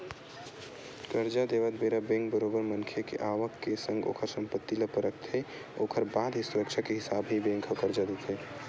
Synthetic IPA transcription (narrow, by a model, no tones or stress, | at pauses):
kəɾd͡ʒad̪eʋət̪beɾabẽŋkbəɾobəɾmənkʰekḛʔaʋəkːesə̃ŋɡo̰ːkʰəɾsə̃mpət̪ːiləpəɾəkt̪ʰɦe | okʰəɾbad̪ɦisuɾəkt͡ʃʰakeɦɪsabɦibẽŋkʰəkəɾd͡ʒad̪et̪ʰɦe